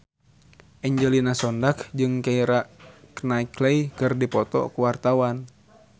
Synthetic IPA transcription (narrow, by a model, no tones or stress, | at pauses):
ʔɛɲd͡ʒɛlinasɔndakd͡ʒɨŋkaiɾaknaikleikɨrdipɔt̪ɔ̰kuwart̪awan